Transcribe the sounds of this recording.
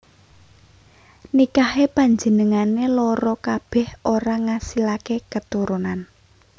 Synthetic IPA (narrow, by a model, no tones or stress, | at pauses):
nikahepaɲd͡ʒə̤nəŋanelɔɾɔkab̥ɛ̤hoɾaŋasilakekət̪uɾunan